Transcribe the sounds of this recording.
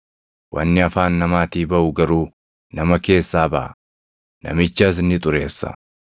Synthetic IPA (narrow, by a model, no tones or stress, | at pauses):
wʔɐ̰nːɪɐfaːnːɐmaːt̪iːbɐʔʊɡɐɾuː | nɐmɐke̞ːsːaːbɐʔɐ̰ | nɐ̰mɪt͡ʃːɐs̬ɪnːɪt̪ʼʊɾe̞ːsːɐ̰